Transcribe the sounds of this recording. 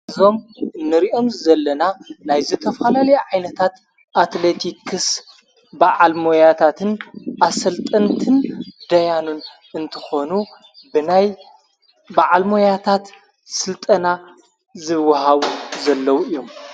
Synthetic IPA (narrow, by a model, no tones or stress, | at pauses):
zo̞mɨnːɨɾiʔo̞mzɐlːɐnanajzɨt̪ʰɐfɐlalɐjʕajnɐt̪ʰat̪ | ʔat̪let̪ʰikʰɨs | baʕalmojat̪ʰat̪ʰɨnʔasɐlt̪ʼɐnt̪ʰɨnd̪ɐjanun | ɨnt̪ʰɨxo̞nu | bɨnaj | baʕalmo̞jat̪ʰat̪ | sɨlt̪ʼɐna | zɨwːɐhaβuzɐlːɐwuijːo̞m